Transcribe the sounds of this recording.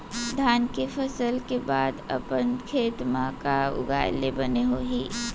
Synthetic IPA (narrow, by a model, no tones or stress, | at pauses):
d̪ʱaːnkefəsəlkebaːd̪ə̰pənkʰeːt̪mãkaʊ̰ɡa̰ːjlebɐneɦoːɦiː